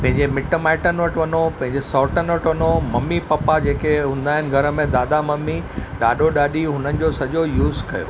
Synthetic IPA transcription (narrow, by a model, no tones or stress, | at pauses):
pɐ̃ɦɪ̃ɲd͡ʑemɪʈmaːɪʈənʋɐʈʋɐnopɐ̃ɦɪ̃ɲd͡ʑesɔːʈənʋɐʈʋɐnomɐmːipɐpad͡ʑeːkeɦũːn̆d̪aːɦɪnɪ̆ɡʱɐɾə̆mẽd̪aːd̪amɐmːiɗaːɗoɗaːɗiɦʊnənɪ̆d͡ʑosɐʄojuːzkɐjo̰ː